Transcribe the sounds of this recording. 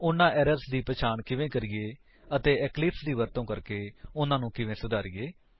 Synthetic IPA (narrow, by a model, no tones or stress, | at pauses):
ʊnãːʔɛːɾəsd̪iːpət͡ʃʰaːɳkɪʋẽːkəɾɪːeː | ət̪eːɛːklɪpsd̪iːʋəɾt̪õːkəɾkeːʊnãːnũːkɪʋẽːsʊd̪aːɾɪeː